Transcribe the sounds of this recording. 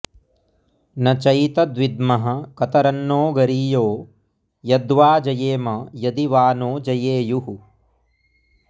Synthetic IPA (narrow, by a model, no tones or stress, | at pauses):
nɐt͡ʃɐjt̪ɐd̪ʋid̪mɐɦɐ̆kɐt̪ɐɾɐnːoːɡɐɾiːjoː | jɐd̪ʋaːd͡ʒɐjeːmɐjɐd̪iʋaːnoːd͡ʒɐjeːjuɦu